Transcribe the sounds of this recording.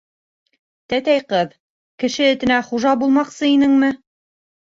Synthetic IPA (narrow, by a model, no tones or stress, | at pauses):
t̪æt̪æjqɤð | kɘ̆ʃɘɘ̆t̪ɘ̆næχuʒɑbulˠmɑqsɤinɘŋmɘ